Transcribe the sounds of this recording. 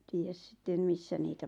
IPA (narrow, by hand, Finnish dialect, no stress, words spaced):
tiːjæs sĭtːem misːæ niːtæ